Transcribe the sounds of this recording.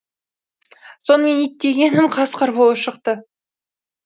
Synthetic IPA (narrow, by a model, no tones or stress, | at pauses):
so̞nəme̞nit̪ːe̞ɡʲe̞nɪmqʰɑsqʰəɾbolˠəpʃəqt̪ə